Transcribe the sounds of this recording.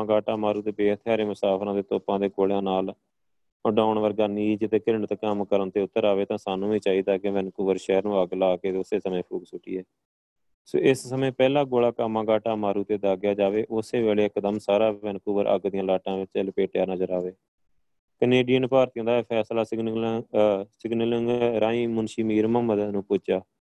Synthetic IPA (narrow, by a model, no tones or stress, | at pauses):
ɡaːʈaːmaːɾuːt̪eːbeːt̪ʰɪjaːɾeːmʊsaːpʰɾãːd̪eːt̪oːpãːd̪eːɡoːɽejãːnaːl | ɖaːɳʋəɾɡaːniːd͡ʒt̪eːkəɾəɳt̪kəmkəɾənt̪eːʊt̪ːəɾaːʋeːt̪ãːsaːnũːʋiːt͡ʃaːiːd̪aːkeʋɛnkuːʋəɾʃɛːɾnũːəɡlaːkeːt̪ːʊseːsəmẽːpʰuːksʊʈḭːɛː | so̰ːʔɪssəmẽːpɛːlãːɡoːɭaːkəmːãːɡaːʈaːmaːɾuːt̪eːd̪aːɡjaːd͡ʒaːʋeːʔʊseːʋeːleːɪkd̪əmsaːɾaːʋɛnkuʋəɾʔə̰ɡd̪ɪjãːlaːʈãːʋɪt͡ʃɛlpeːʈjaːnəzəɾaːʋeː | kəneːɖijənpaːɾt̪ijãːd̪apʰɛːslaːsɡ | sɪɡnələŋɡɾãːiːmʊnʃiːmiːɾməməd̪aːnũːpʊt͡ʃaː